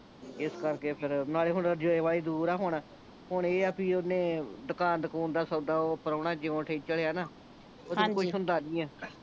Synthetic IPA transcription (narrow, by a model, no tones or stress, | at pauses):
ɪskəɾkeːpʰɪɾnaːleːɦʊnːd͡ʒoeːʋaːliːd̪uːɾaːɦʊɳ | ɦʊɳeːəpĩːonẽːd̪ʊkaːnd̪əkuːnd̪aːsəɡd̪aːoːpəɾoːɳaːd͡ʒɪõːʈʰeːt͡ʃəɽeːaːnaː | oːd̪ekʊʃʰɦʊ̃nd̪aːnĩːɛː